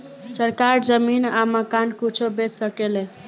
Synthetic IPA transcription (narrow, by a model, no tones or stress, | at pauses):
səɾkaɾd͡ʒəminaməkankut͡ʃʰobesəkele